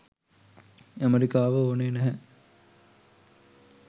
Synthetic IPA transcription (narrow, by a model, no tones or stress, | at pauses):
æmeɾikaːʋəoːneːnæɦɛ